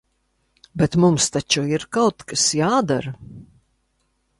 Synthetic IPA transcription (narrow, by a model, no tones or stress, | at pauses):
bɛt̪mumst̪at͡ʃuiɾkawt̪kasjaːd̪aɾ